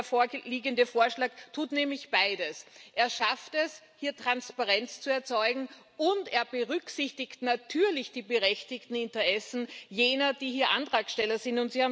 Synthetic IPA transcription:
ɐfoːɐliːɡəndəfoːɐʃlaːktʰuːtnɛːmlɪçb̥aɪdəsʔeːɐʃaftɛs | hiːɐtʁ̥anspaʁɛnt͡st͡suɛɐt͡sɔʏɡŋ̩ | ʊnteːɐbəʁʏksɪçtɪçtnatʰyːɐlɪçd̥iːbəʁɛçtɪçtn̩ɪntəʁɛsn̩jeːnɐd̥iːhiːɐʔa̰ntʁ̥aːksʃtɛlɐzɪntʊntz̥iːhaː

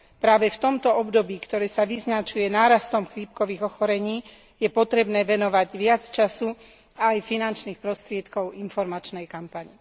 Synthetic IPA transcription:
pɾaːʋɛft̪ɔmt̪ɔɔbd̪ɔbiːkt̪ɔɾɛːsaʋiznat͡ʃujɛnaːɾast̪ɔmxʋiːp̚kɔʋiːɣɔxɔɾɛɲiː | jɛpɔt̪ɾɛbnɛːʋɛnɔʋaɟʋɪat͡st͡ʃasu | ajfinant͡ʃniːxpɾɔst̪ɾɪɛt̪kɔʊʔinfɔɾmat͡ʃnɛjkampaɲi

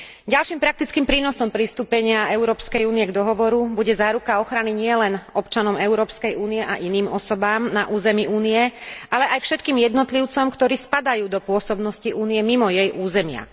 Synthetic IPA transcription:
ɟalʃiːmpɾak̚t̪it͡skiːmpɾiːnɔsɔmpɾist̪uːpɛɲɪaɛʊɾɔːpskɛjuːniɛɡd̪ɔɦɔʋɔɾubuɟɛzaːɾukaɔxɾaniɲɪɛlɛnɔpt͡ʃanɔmɛʊɾɔːpskɛjuːnijɛʔaʔiniːmɔsɔbaːmnaʔuːzɛmiuːniɛʔalɛʔajfʃɛt̪kiːmjɛd̪nɔt̪liʊt͡sɔmkt̪ɔɾiːspad̪ajuːd̪ɔpʊɔsɔbnɔsciʔuːniɛmimɔjɛjʔuːzɛmɪa̰

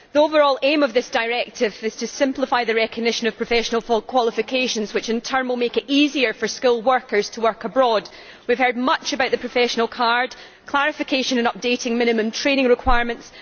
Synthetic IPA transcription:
ðiovə˞ɔlˠẽməvðɪsd̥aɪɹɛk̚tʰɪvɪz̥tʰɨsɪ̃mplˠɪfaɪðɨɹɛkəɡ̚nɪʃə̃nəv̥pʰɹ̥əfɛʃənəl̩ˠfɔkʰw̥ɔlˠɪfɪkʰeʃə̃nz̥wɪt͡ʃɪ̃ntʰɜ˞məlˠmekɪʔiziə˞fə˞skʉlˠwɜ˞kʰə˞z̥tʰəwɜ˞kəbɹɔd | wiv̥hɜ˞d̚mʌt͡ʃəbaʊʔðəpʰɹ̥əfɛʃənəl̩ˠkʰaɹd̥ | kʰl̥ˠaɹɪfɪkʰeʃə̃nə̃nʌp̚d̥eʔɪ̃ŋmɪ̃ñɨmə̃mtʰɹ̥ẽñɪ̃ŋɹɪkʰw̥aɪɹmə̃nts

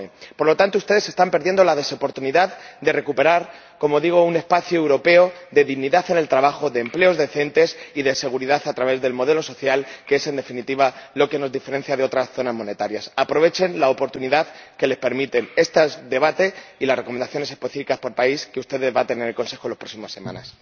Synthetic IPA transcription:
po̞ɾlo̞t̪ant̪oust̪e̞ðe̞se̞st̪ampe̞ɾðjend̪o̞lað̞e̞so̞po̞ɾt̪uniðaðd̪e̞rekupe̞ɾaɾ | ko̞mo̞ðiɣ̞o̞une̞spaθjuewɾo̞pe̞o̞ðe̞ðiɣniðaθe̞ne̞lt̪ɾaβaxo̞ðe̞ːmple̞o̞zðe̞θe̞nt̪e̞siðe̞se̞ɣ̞uɾiðaθat̪ɾaβe̞zðe̞lmo̞ð̞e̞lo̞so̞θjalkee̞se̞nd̪e̞finit̪iβalo̞ke̞no̞zðife̞ɾe̞n̟θjaðeo̞t̪ɾasθo̞nazmo̞ne̞t̪aɾjasapɾo̞β̞e̞t͡ʃe̞nlaopo̞ɾt̪uniðaðke̞le̞spe̞ɾmit̪e̞ne̞st̪azd̪e̞β̞at̪e̞ilasre̞komend̪aθjo̞nese̞spe̞θifikaspo̞ɾpaiskeust̪e̞ðe̞zβat̪e̞nenelko̞nse̞xo̞lo̥pɾo̞ksimasːe̞mã̰na̰s

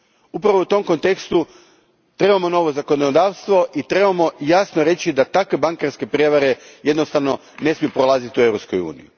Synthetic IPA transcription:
upɾaʋout̪o̞mko̞nt̪e̞kst̪u | t̪ɾe̞bamo̞no̞ʋo̞zako̞nod̪aːʋst̪ʋo̞ʔit̪ɾe̞bamo̞jasnoɾe̞t͡ɕid̪at̪akʋe̞baŋkaɾske̞pɾieʋaɾe̞je̞d̪no̞st̪aʋno | ne̞smijupɾo̞lˠazit̪iue̞ʋɾopskujṵːnḭju

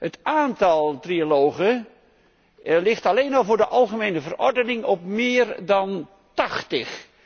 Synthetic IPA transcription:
hətʔaːntɑlˠtrialowχə | lɪχtɑlejnɑlˠvʊːɹdəʔɑlˠχəmejnəvərɔ̰ɹdənɪŋɔpmɪːrdɑn | tɑχtəχ

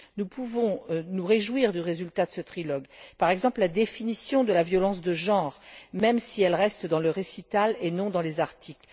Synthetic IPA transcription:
nupʰuvɔ̃nuʁeʒwiʁd̪yʁezylt̪ad̪əsət̪χilɔɡpaʁɛɡzɑ̃pllad̪efinisjɔ̃d̪əlavjɔlɑ̃sd̪əʒɑ̃ʁmɛmsiɛlʁɛst̪d̪ɑ̃ləʁesit̪alenɔ̃d̪ɑ̃lezaʁt̪ʰikl

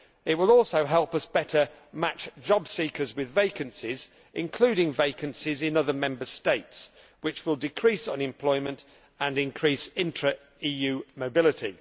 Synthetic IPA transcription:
ɪt̚wɪlˠɔˑlˠsoʊɦɛlˠpʌsb̥ɛtʰə | mat͡ʃd̥ʒ̥ɒbsiˑkʰəzwɪðveɪkə̃nsɪz | ʔɪ̃nkʰl̥ʉːɾɪ̃ŋveɪkə̃nsɪzɪ̃nʌðəmɛ̃mbəsteɪts | wɪt͡ʃwɪlˠdɪkʰɹ̥iˑsə̃nɪ̃mpʰl̥ɔɪmə̃nt | ə̃nɪ̃nkʰɹ̥iˑsɪ̃ntɹ̥ə | iːjʉːməʊbɪlɪtʰḭ

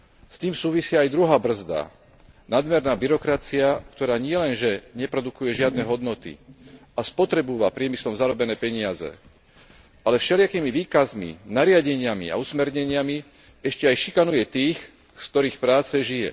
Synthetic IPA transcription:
st̪iːmsuːʋisɪajd̪ɾuɦaːbr̩zd̪a̰ | nad̪mɛɾnaːbiɾɔkɾat͡siakt̪ɔɾaːɲɪɛlɛnʒɛɲɛpɾɔd̪ukujɛʒɪad̪nɛɦɔd̪nɔt̪ḭaspɔt̪ɾɛbuʋapɾɪɛmislɔmzaɾɔbɛnɛːpɛɲɪazɛ̰ | ʔalɛfʃɛlɪakiːmiʋiːkazmḭnaɾɪaɟɛɲɪamḭa̰usmɛɾɲɛɲɪami | ɛʃcɛajʃikanujɛt̪iːx | skt̪ɔɾiːxpɾaːt͡sɛʒijɛ̰

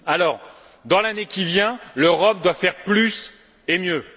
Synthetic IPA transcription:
alɔːʁ | d̪ɑ̃lanekʲivjɛ̃løʁɔp̚d̪wafɛʁplys | emjø

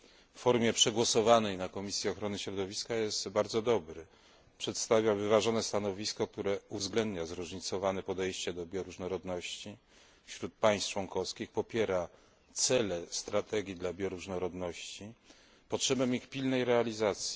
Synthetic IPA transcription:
ffɔɾmʲjɛpʂɛɡwɔsɔvanɛjnakɔmʲisʲjiɔxɾɔnɘɕɾɔd̪ɔvʲiskajɛst̪baɾd̪zɔd̪ɔbɾɘ | pʂɛt̪st̪avʲjavɘvaʐɔnɛst̪anɔvʲiskɔk̚t̪uɾɛuvzɡlɛnd̪ɲazɾuʐɲit̪sɔvanɛpɔd̪ɛjɕt͡ɕɛd̪ɔbʲjɔɾuʐnɔɾɔd̪nɔɕt͡ɕi | fɕɾut̪̚paj̃st̪t͡ʂwɔŋkɔfskʲixpɔpʲjɛɾa | t̪sɛlɛst̪ɾat̪ʰɛɡʲid̪labʲjɔɾuʐnɔɾɔd̪nɔɕt͡ɕi | pɔtʂɛbɛmixpʲilnɛjɾɛalʲizat̪sʲji

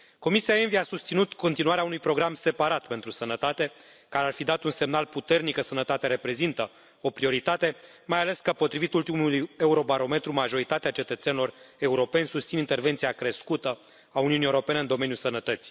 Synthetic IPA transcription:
ko̞misiae̞nviasust̪sinut̪ko̞nt̪inuaɾeaunujpɾo̞ɡɾamse̞paɾat̪pe̞nt̪ɾusənət̪at̪e̞ | kaɾearfid̪at̪unse̞mnalput̪e̞rnikəsənət̪at̪eɾe̞pɾe̞zint̪ə | o̞pɾio̞ɾit̪at̪e̞ | majale̞skəpo̞t̪ɾivit̪ult̪imuluje̞uɾo̞baɾo̞me̞t̪ɾumaʒo̞ɾit̪at̪eat͡ʃe̞t̪ət̪senilo̞re̞uɾo̞pe̞nʲsust̪sinint̪e̞rve̞nt̪siakɾe̞skut̪ə | auniunie̞uɾo̞peneɨnd̪o̞me̞njulsənət̪ət̪si̥

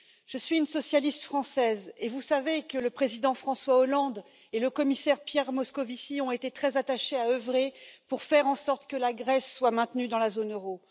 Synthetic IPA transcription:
ʒ̥əsɥiynsɔsjalist̪fχɑ̃sɛzevusavekələpχezid̪ɑ̃fχɑ̃swaɔlɑ̃d̪ | eləkɔmisɛʁpjɛʁmɔskɔvisiɔ̃et̪et̪χɛzat̪aʃeaøvʁepuʁfɛʁɑ̃sɔʁt̪kəlaɡʁɛsːwamɛ̃t̪nyd̪ɑ̃lazonøʁo

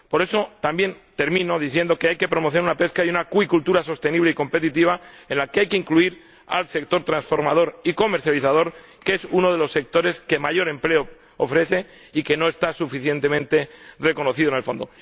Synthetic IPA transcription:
po̞ɾe̞so̞t̪ambje̞nt̪e̞ɾmĩno̞ðiθje̞nd̪okeajke̞pɾo̞moθ̬eɾunape̞skajunakwikult̪uɾaso̞st̪e̞niβ̞le̞iko̞mpe̞t̪it̪iβ̞aenlakeajke̞iŋkluiɾ | a̰lse̞k̚t̪o̞ɾt̪ɾansfo̞ɾma̰ð̞o̞ɾiko̞meɾθjaliθað̞o̞ɾ | kesuno̞ð̞e̞lo̞sːe̞k̚t̪o̞ɾe̞ske̞maʝo̞ɾe̞mple̞o | ofɾe̞θe̞ | ike̞no̞e̞st̪asufiθje̞nt̪e̞mẽnt̪e̞re̞ko̞no̞θiðonelfo̞nd̪o̞

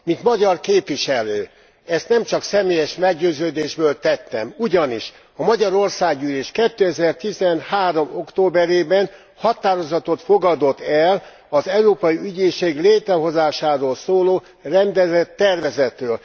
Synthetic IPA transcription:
mint̪mɒɟɒrkeːpʋiʃɛløː | ɛst̪nɛmt͡ʃɒksɛmeːjɛʃmɛɡɟøːzøːd̪eːʒbøːlt̪ɛt̪ːɛmuɟɒniʃ | ɒmɒɟɒɾo̞rsaːɡyːleːʃkɛt̪ːøɛzɛrt̪izɛnhaːɾo̞mo̞kt̪oːbɛɾeːbɛn | hɒt̪aːɾo̞zɒt̪o̞t̪fo̞ɡɒd̪o̞t̪ːɛl | ɒzɛwɾoːpɒjiyɟeːʃeːɡleːt̪ɾɛɦo̞zaːʃaːɾoːlsoːloː | rɛnd̪ɛzɛt̪ːɛrvɛzɛt̪røːl

